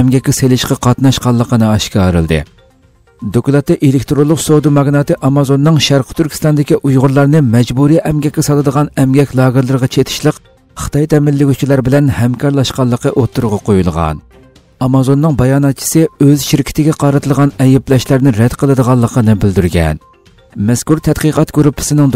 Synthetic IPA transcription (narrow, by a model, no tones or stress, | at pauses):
ɛmɡʲɛkʲːɛselɪʃqɑqʰɑt̪nɑʃqɑlˠːəqʰənɨɑʃkʲɑːɾɨ̰lˠd̪ɨ̰ | d̪okʲulˠɑt̪ːɨʔelɪkʲt̪ɾolˠːʊqsod̪umɑɡnɑt̪ɨʔɑmɑzonːɨŋʃæɾqʰə̥t̪ʰyɾkʲʰi̥st̪ɑnd̪ɪkʲiʔujʁʊɾlˠɑɾnɨmɛd͡ʒbuɾiʔɛmɡʲɛkʲːɛsɑlˠɨd̪əʁɑnɛmɡʲɛkʲlˠɑːɡɨɾlˠɨɾəʁɑt͡ʃʰet̪ʰɪ̥ʃlˠəq | χə̥t̪ɑjt̪ʰɛmɪlːɪɡʲut͡ʃʰilˠɑɾbɪlɛnhɛmkʰɑɾlˠɑʃqɑlˠːəqʰəʔot̪ʰːuɾʁɑqʰojulˠʁɑ̰n | ɑmɑzonːɨŋbɑjɑːnɑt̪̚t͡ʃʰi̥sɨøzʃɪɾkʲʰɪ̥t̪ʰɪɡʲɛqʰɑɾɨt̪ʰɨlˠʁɑnɛjɪplɛʃlæɾnɪɾɛd̪̥qʰəlˠɨd̪əʁɑlˠːəqʰənɨbɪld̪yɾɡʲɛ̰n | mɛskuɾt̪ʰɛt̪qəqɑt̪køɾupʰːɪ̥sɪnɪŋd̪